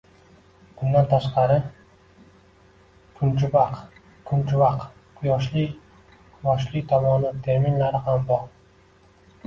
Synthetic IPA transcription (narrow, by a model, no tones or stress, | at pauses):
bʊnd̪ant̪ʰaʃqɑɾɪ | kʰʊnt͡ʃʰʊbaq | kʰʊnt͡ʃʰʊbaq | qʰʊjɒʃlɪ | qʰʊjɒʃlɪt̪ʰɒmɒnɪt̪ʰe̞ɾminlaɾɪhambɒɾ